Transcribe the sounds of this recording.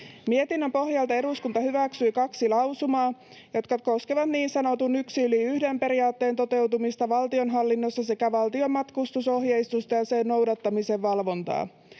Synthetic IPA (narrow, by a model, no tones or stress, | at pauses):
mie̞t̪inːømpo̞hjɑlt̪ɑe̞ɾuskunt̪ɑɦyʋæksyikɑksilɑwsumɑː | jo̞t̪kɑko̞skeʋɑt̪niːnsɑno̞t̪unyksiyliyhdempe̞ɾiɑːt̪ːe̞ːnt̪o̞t̪e̞wt̪umist̪ɑʋɑlt̪io̞nɦɑlːinːosːɑsekæʋɑlt̪io̞mːɑt̪kust̪uso̞ɦjeist̪ust̪ɑjɑsenno̞wdɑt̪ːɑmise̞ʋʋɑlʋo̞nt̪ɑ̰ː